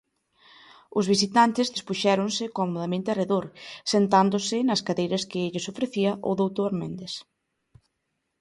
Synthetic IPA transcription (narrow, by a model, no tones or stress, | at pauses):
ʊzβis̬it̪ant̪ɪzðespuʃɛɾonsɪkɔmoðɐmẽnt̪ɪɐreðoɾsent̪and̪ʊsɪnɐskaðejɾɐskɪeʎɪsofɾeθiɐʔo̰ðowt̪oaɾmẽnd̪es